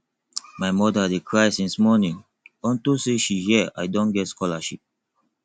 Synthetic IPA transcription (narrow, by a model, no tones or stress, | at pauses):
maɪmɔdadekʰɹaɪsĩnsmɔnĩŋ | ɔ̃ntuseʃihɛʔa̰ɪdɔ̃nɡɛtskɔlaʃip̚